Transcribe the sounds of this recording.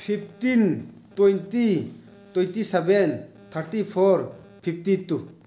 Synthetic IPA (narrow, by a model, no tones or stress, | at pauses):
pʰipʰt̪in | t̪wojnt̪i | t̪ojnt̪isɛben | t̪ʰəɾt̪ipʰoɾ | pʰipt̪it̪u